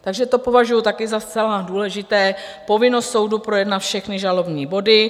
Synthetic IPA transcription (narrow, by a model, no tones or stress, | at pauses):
t̪aɡʒɛt̪o̞po̞vaʒujut̪akɪzast͡sɛladuːlɛʒɪt̪ɛːpo̞vɪno̞st̪so̞wdupɾo̞jɛdnat̪fʃɛxnɪʒalo̞bɲiːbo̞dɪ